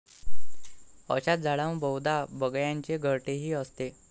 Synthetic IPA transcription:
ə̰ɕat̪̚d͡zʱaɭãwbəwd̪ʱabəɡjaɲt͡ɕeɡʱəɾʈeɦiːəst̪e

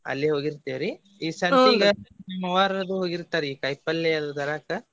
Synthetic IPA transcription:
ɐ̰lːiɦo̞ːɡiɾt̪iʋɾi | iːsɐndiɡɐnimːɐʋaːɾɐɾɐd̪uɦoːɡiɾt̪aːɾeiːkɐjpɐlːeɐd̪ud̪ɐɾaːkɐ

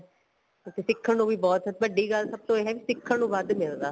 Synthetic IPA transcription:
t̪eːsɪkʰːəɳũːʋiːbɔːt̪ɦ̪bəɖːiːɡəlsəb̚t̪õːeːɦɛːʋiːsɪkʰːəɳũːbaːd̪mɪld̪aː

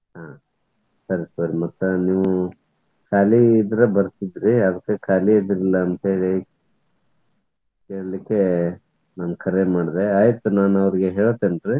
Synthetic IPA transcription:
ɦa | sɐɾisɐɾimɐt̪ːuniːʋu | kʰaːliːd̪ɾɐbɐɾt̪id̪ɾiɐd̪ɐkːekʰaːliid̪ɾilːɐːnt̪ɦeːɭi | keːɭɐlikːe̞ | nɐmkʰɐɾemaːɽd̪e̞aːjit̪ːunaːnɐʋɾiɡeɦeːɭot̪ːenʈɾi

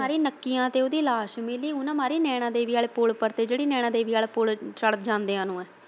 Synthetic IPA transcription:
aːɾiːnəkːijãːt̪eːʊd̪iːlaːʃmɪliːʊnãːmaːɾiːnɛːɽ̃ãːd̪eːʋiːaːlepʊlpəɾt̪eːd͡ʒeːɽiːnɛːɽãːd̪eːʋiːaːlepʊlt͡ʃəɽət̪̚d͡ʒãːnd̪eːãːnũːɛː

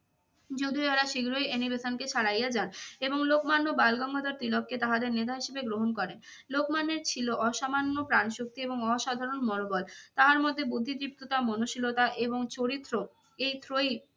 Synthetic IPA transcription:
d͡ʑod̪ʱioeɾaʃiɡɾojenibesanket͡ɕʰaɽajad͡ʑaneboŋlokmanːobalɡɔŋɡʱod̪aɾt̪ɾilok̚ket̪aɦad̪eɾnet̪aɦiʃebeɡɾoɦonkɔɾen | lokmanːeɾt͡ɕʰiloʔɔʃamanːopɾanʃok̚t̪ieboŋɔʃad̪ʱaɾonmonobɔlt̪aɦaɾmod̪ʱːebud̪ʱːid̪ɾip̚t̪ot̪amonoʃilot̪aʔeboŋt͡ɕoɾit̪ːɾo | ejt̪ʰɾoj

